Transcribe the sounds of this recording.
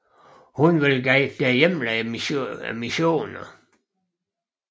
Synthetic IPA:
hunʋelɡ̥ɛd̥ejemlæ | miɕo̝̰ːnɐ

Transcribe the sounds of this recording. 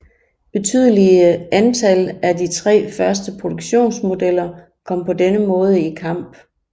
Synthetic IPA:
b̥e̝t͡sʰy̰ð̞ˠəliəænt͡sʰælædit͡sʰʁɛ̰ːfɶɐsd̥əpʰʁo̝d̥o̝ɡ̥ɕo̝̰ːnsmo̝d̥el̰ɐ | kʰɒ̽m̰pʰɒ̽denəmɔ̽ːð̞ˠəikʰɑ̈m̰b̥

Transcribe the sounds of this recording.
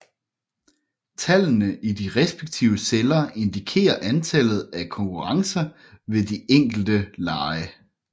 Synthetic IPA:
t͡sʰælnəʔid̥iʁɛsb̥eɡ̥̚t͡sʰḭʊəselɐʔe̝nd̥ikʰe̝̰ːɐʔænt͡sʰælð̞̩ˠækʰɒ̽ŋkʰuʁɑ̈ŋsɐ | ʋe̝d̥ieŋ̰ɡ̥l̩d̥əlɑ̈ːɪə

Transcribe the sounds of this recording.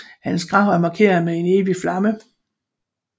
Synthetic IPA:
hænsɡ̥ʁɑ̈ʊ̰æɐmɑ̈kʰe̝̰ːɐð̩ˠmee̝ne̝ːʋiflɑ̈mə

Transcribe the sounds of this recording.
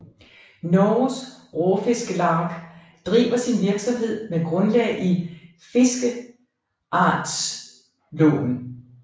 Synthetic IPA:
nɒsʁɔfe̝sɡ̥əlɑ̈ːɡ̥ | d̥ʁḭːbɐsinʋiɐɡ̥sɒ̽mɦe̝ð̞̰ˠmeɡ̥ʁɔ̽nlɛ̰ːʔi | fe̝sɡ̥ə | ʔɑ̰̈ːd̥s | lɔ̰ːn̩

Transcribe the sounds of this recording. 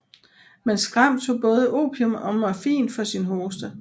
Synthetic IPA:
mensɡ̥ʁam̰t͡sʰo̝̰b̥ɔ̽ːðˠəʔo̝̰ːpʰiɔmɒ̽mɑfḭːnfɒ̽sinɦoːsd̥ə

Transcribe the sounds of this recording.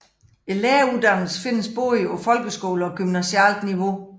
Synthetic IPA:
e̝leːɐud̥ɑ̈ŋ̰l̩sfe̝n̰əsb̥o̰ːiɒfɒ̽lɡ̥əsɡ̥o̝̰ːləɒ̽ɡ̥ymnæsiæ̰ld̥niʋo̝

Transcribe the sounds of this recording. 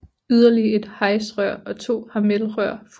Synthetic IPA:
yð̞ˠɐlie̝d̥hɑ̈ɪsʁɶɐ̰ɒ̽t͡sʰo̝̰ːhɑ̈melʁɶɐ̰f

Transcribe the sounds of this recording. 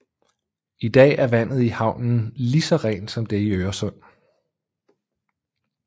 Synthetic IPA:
id̥ɛ̰ːæɐʋæn̰ð̞̩ˠihɑ̈ʊ̰nn̩lisɒ̽ʁɛ̰ːnd̥sɒ̽md̥e̝iøːɐsɔ̽n̰

